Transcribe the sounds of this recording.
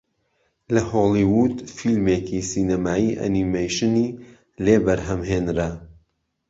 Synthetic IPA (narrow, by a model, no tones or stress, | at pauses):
lɐholˠiwud̪filmekisiːnɐmaːiːʔɐ̰nimejʃɨniː | leːbɐɾɦɐmɦeːnɾɐ